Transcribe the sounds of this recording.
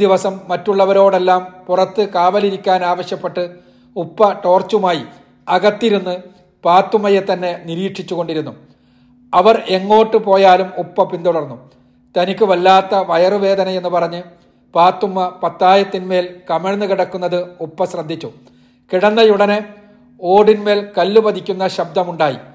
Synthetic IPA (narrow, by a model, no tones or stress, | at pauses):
iʋɐsɐmːɐtːuɭːɐʋɐɾo̞ːɽe̞lːaːmpurɐt̪ːɨkaːʋɐliɾikʲːaːnaːʋɐɕjɐpːe̞ʈːɨ | upːɐʈo̞ːrt͡ɕːumaːji | ɐɣɐt̪ːiɾunːɨ | paːt̪ːumːɐjet̪ːɐnːe̞niɾiːʈʂit͡ɕːuɣo̞ɳɖiɾunːu | ɐʋɐre̞ŋːo̞ːʈːɨpo̞ːjaːlumupːɐpind̪oɽɐrnːu | t̪ɐnikʲːɨʋɐlːaːt̪ːɐʋɐjɐrɨʋe̞ːd̪ɐnɐe̞nːɨpɐrɐɲːɨ | paːt̪ːumːɐpɐt̪ːaːjɐt̪ːinme̞ːlkɐmeɻɐnːɨkiɽɐkːunːɐðɨupːɐsrɐd̪ʱːit͡ɕːu | kiɽɐnːɐjuɽɐne | o̞ːɽinme̞ːlkɐlːuʋɐd̪ikʲːunːɐɕɐb̚d̪ɐmuɳɖaːjḭ